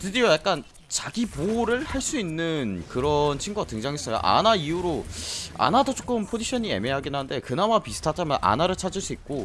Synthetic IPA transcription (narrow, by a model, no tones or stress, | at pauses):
tɯdiojak͈̚an | t͡ɕaɡipoɾɯɭhaɭs͈uinːɯnkɯɾʌnt͡ɕʰiŋɡuɡatɯŋd͡ʑaŋɦes͈ʌjo̰ʔa̰naiuɾoa̰nadot͡ɕ͈ok͈ɯmpʰod͡ʑiɕʰʌɲie̞̰me̞ɦaɡinannde̞kɯnamapisʰɯ̥tʰat͡ɕ͈ʰamjʌnʔa̰naɾɯɭt͡ɕʰad͡ʑɯɭs͈uik̚k͈o